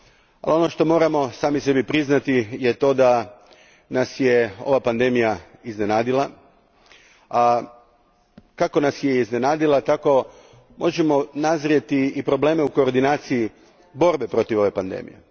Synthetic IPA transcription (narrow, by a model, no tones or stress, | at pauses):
alio̞no̞ʃt̪o̞mo̞ːɾamo̞saːmise̞bipɾiznat̪ijet̪o̞ːd̪a | nasjeo̞̰ʋapand̪e̞mijaiznenaːd̪ila | a | kako̞nasjeizne̞naːd̪ilˠat̪ako̞ | mo̞ʒemo̞nazɾijet̪iipɾo̞ble̞ːme̞uko̞ːɾd̪inaːt̪siji | bo̞ɾbe̞pɾo̞t̪iʋo̞ʋe̞pand̪ḛːmḭjḛ